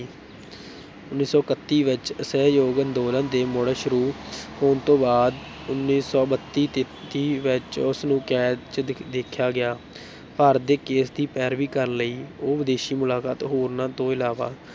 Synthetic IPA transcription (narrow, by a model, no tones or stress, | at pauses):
ʊnːiːsɔːkət̪ːiːʋɪt͡ʃəsɛːjoːɡənd̪oːlãːd̪eːmoɽeːʃʊɾuːhoːnt̪õːbaːd̪ | ʊnːiːsɔːbət̪ːiːt̪e | t̪iːʋɪt͡ʃʊsnũːkɛːt͡ʃd̪eːkʰjaːɡɪjaː | paːɾət̪̚d̪eːkeːsd̪iːpɛːɾʋiːkəɾnləiːoːʋɪd̪eːʃiːmʊlaːkaːt̪ɦoːɾnãːt̪õːɪlaːʋaː